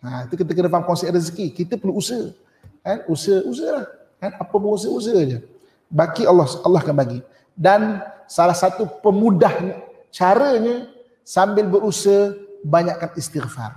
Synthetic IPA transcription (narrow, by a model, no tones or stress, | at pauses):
ait̪ukit̪ək̬ənəfamkɔŋseris̬əkikit̪əpərluusə | kanusəusəlah | kanapəbəŋus̬əus̬əd͡ʒə | bakialalːɔhkanbaɡi | dansalahsat̪upəmudahɲə | t͡ʃaɾəɲə | sambɪlbəɾusəbaɲaʔkːanist̪iɣfa̰r